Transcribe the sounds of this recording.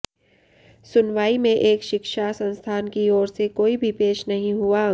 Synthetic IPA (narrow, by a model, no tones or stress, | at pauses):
sʊnʋaːimẽʔeːkʃɪkʃasɐ̃nst̪ʰaːnkiɔːɾsekoːibʱipeːʃnɐɦĩɦua